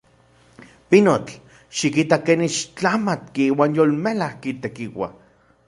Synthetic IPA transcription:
pinot͡ɬ | ʃikit̪akeːnit͡ʃt͡ɬamat̪kiiːwaːnjolmelahkit̪ekiwa̰

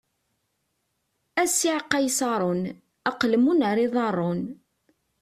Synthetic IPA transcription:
æsiʕqːɑjsɑɾˤon | ɑqlmunəɾˤiðˤɑrˤːon

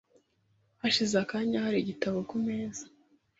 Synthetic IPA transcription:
haʃizakaɲahaɾiɟitaβokumeːzḁ

